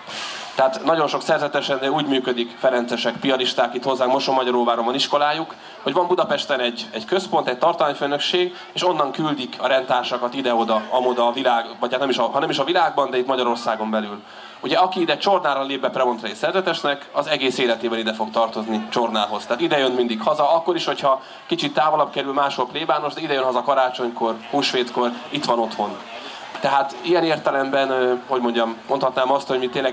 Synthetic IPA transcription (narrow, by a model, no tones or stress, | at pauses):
t̪ɛɦat̪nɒɟo̞nʃo̞ksɛrzɛt̪ɛʃɛnd̪ɛuːɟmyːkød̪ikfɛɾɛnt̪sɛʃɛkpiɒliʃt̪aːkit̪ho̞zːaːkmoʃomːɒɟɒɾoːvaːɾomvɒniʃko̞laːjuk | ho̞ɟvɒmbud̪ɒpɛʃt̪ɛnɛɟɛɟkøspo̞nt̪ɛc̚t̪ɒrt̪ɒmaːɲføːnø̞kʃeːɡ | eːʃo̞nːɒŋkyld̪ikʰɒɾɛnt̪aːrʃɒkɒt̪id̪ɛod̪ɒɒmod̪ɒːvilaːɡvɒcʰːat̪nɛmiʃɒɦɒnɛmiʃɒvilaːɡbɒnd̪ɛit̪mɒɟɒɾo̞rsaːɡo̞mbɛlyl | uɟɛɒkiid̪ɛt͡ʃo̞rnaːɾɒleːb̚bɛprɛmo̞nt̪rɛesɛrzɛt̪ɛʃnɛkɒzɛɡeːseːlɛt̪eːbɛlid̪ɛfo̞ɡt̪ɒrt̪o̞znit͡ʃo̞rnaːɦo̞z̥t̪ɛɦaːt̪id̪ɛjønmind̪ikhɒzɒɒkːo̞ɾiʃho̞cʰhɒ | kit͡ʃit̪ːaːvolɒbkɛɾylmaːʃho̞lpleːbaːno̞ʒd̪ɛid̪ɛjønɦɒzɒkɒɾaːt͡ʃo̞ɲko̞rhuːʃʋeːt̪ko̞rit̪ʋɒno̞t̪ho̞n | t̪ɛɦaːt̪ijɛneːrt̪ɛlɛmbɛnøho̞ɟmo̞ɲɟɒmːo̞nt̪hɒt̪naːmɒst̪hoɟmit̪eːnlɛɡ